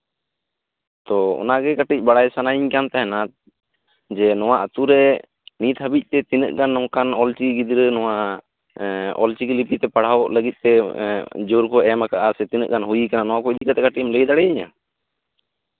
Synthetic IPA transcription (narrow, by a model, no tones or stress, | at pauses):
t̪ɔɔ̰naɡɛkaʈic̚ˀbaɽajsanajiɲkant̪aɦɛna | d͡ʒɛnɔwaʔət̪uɾɛ | nit̪həbic̚ˀt̪ɛt̪inə̰ʔɡanːɔŋkanɔlt͡ʃiɡid̪ɾənɔwa | ɔ̰lt͡ʃiɡilipit̪ɛpaɽ̤awləɡit̪̚t̪ɛ | d͡ʒoɾkɔɛmakaʔasɛt̪inə̰ʔ̚ɡanɦujikananɔwakɔid̪ikat̪ɛkaʈimləjd̪aɽɛjiɲa̰